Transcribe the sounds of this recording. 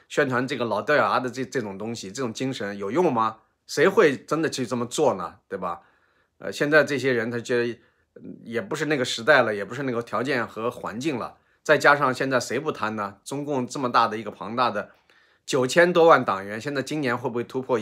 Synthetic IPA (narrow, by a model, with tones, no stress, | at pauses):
ɕɥɛ˥nʈ͡ʂʰwa˧˥nʈ͡ʂɤ˥˩ɡə˩lɑ˨˩ʊt̪jɑ˨˩a˧˥d̪ə˧˥˧ʈ͡ʂɤ˥˩ʈ͡ʂʊ˨˩ŋt̪ʊ˥ŋɕi˨ʈ͡ʂɤ˥˩ʈ͡ʂʊ˨˩ŋt͡ɕi˥ŋʂə˧˥njo˨˩ʊjʊ˥˩ŋmɐ˩ | ʂe˧˥ɪxwe˥˧ɪʈ͡ʂə˥nd̪ə˨t͡ɕʰy˥˧ʈ͡ʂə˥˩mə˩t͡swɔ˥˩nə̰˩tt̪we˥˩ɪbɐ˩ | ə̰˧ɕjɛ˥˧nt͡sa˥˧ɪʈ͡ʂɤ˥˩ɕ̬jɛ˥ɻə˧˥nt̪ʰa˥t͡ɕɥɛ˧˥d̪ə˧ | jɛ˨˩pu˧˥ʂ̬ɻ̩˥˧na˥˩ɡə˩ʂɻ̩˧˥t̪a˥˩ɪlə˩jɛ˨˩pu˧˥ʂɻ̩˥˧na˥˩ɡə˩t̪ʰjɑ˧˥t͡ɕjɛ˥˩nxɤ˧˥xwa̰˧˥nt͡ɕi˥˩ŋlə̰˩ | t͡sa˥˩ɪt͡ɕja˥ʂɑ˥˧ŋɕjɛ˥˧nt͡sa˥˩ɪʂe˧˥ɪpu˥˩t̪ʰa˥nnə˨ʈ͡ʂʊ˥ŋkʊ˥˧ŋʈ͡ʂɤ˥˩mə˩t̪a˥˩d̪ə˩i˧˥ɡə˧pʰɑ̰˧˥ŋt̪a˥˩d̪ə˩ | t͡ɕjo˨˩ʊt͡ɕʰjɛ˥nt̪wɔ˥wa˥˩nt̪ɑ˨˩ŋɥɛ˧˥nɕjɛ˥˧nt͡sa˥˩ɪt͡ɕi˥njɛ˧˥nxwe˥˧ɪbu˧xwe˥˩t̪ʰu˥pʰwɔ˥˧